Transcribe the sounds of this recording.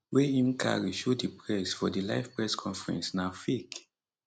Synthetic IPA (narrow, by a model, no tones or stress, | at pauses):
weĩmkʰa̰ɹiʃudipɹɛsfɔdilaɪvpɹɛskʰɔ̃nfɹɛ̰̃nsnafek